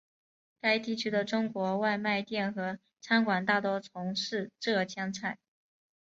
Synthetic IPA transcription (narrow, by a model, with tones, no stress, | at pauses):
ka˥ɪt̪i˥˩t͡ɕʰy˥d̪ə˨ʈ͡ʂʊ˥ŋkwɔ˧˥wa˥˧ɪma˥˧ɪt̪jɛ˥˩nxɤ˧˥ | t͡sʰa˥nkwa˨˩nt̪a˥˩t̪wɔ˥t͡sʰʊ˧˥ŋʂɻ̩˥˧ʈ͡ʂɤ˥˩t͡ɕʰjɑ˥ŋt͡sʰa˥˩ɪ